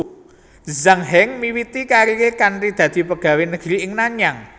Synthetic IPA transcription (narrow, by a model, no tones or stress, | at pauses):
zaŋɦɛŋmiwit̪ikaɾiekanrid̪̥ä̤d̪̥i̤pəɡ̥ä̤wenəɡ̥ɾiɪŋnaɲaŋ